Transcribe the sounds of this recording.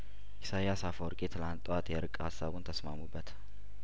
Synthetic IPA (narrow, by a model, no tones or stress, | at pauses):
ʔisajasafwɔɾkʼet̪ʰɨlant̪ʼːəwat̪jɛɾɨkʼːhasːaβunt̪ʰəsmamubːət̪